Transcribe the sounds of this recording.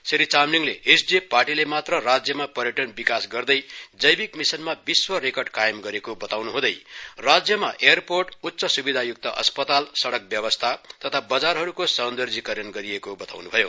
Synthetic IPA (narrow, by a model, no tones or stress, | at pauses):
seɾit͡samliŋleʔesd͡zeparʈilemat̪rʌrad͡zjʌmapʌɾjʌʈʌnbikasɡʌrd̪ʌjd͡zʌjbikmisʌnmabiswʌɾekʌrɖkajemɡʌɾekobʌt̪awnuɦũd̪ʌjrad͡zjʌmaʔejʌrporʈutːsʌsubid̪ʱajuk̚t̪ʌʔʌ̰spʌt̪alsʌɽʌk̚bjʌbʌst̪ʰat̪ʌt̪ʰabʌd͡zarɦʌɾukosʌnd̪ʌrd͡zikʌɾjʌnɡʌɾiekobʌt̪a̰wnubʱʌjo